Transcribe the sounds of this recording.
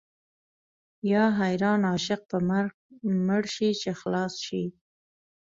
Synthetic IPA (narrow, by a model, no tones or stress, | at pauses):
jɑɦajɾɑnɑʃɪq̚pəmaɾɡ | mʊɽʃit͡ʃexlɑsʃi